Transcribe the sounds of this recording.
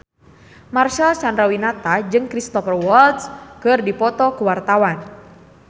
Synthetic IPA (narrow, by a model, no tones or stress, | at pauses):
marʃalsandɾawinat̪ad͡ʒɨŋkɾist̪ɔfərwɔlt̪skɨrdipɔt̪ɔkuwart̪awan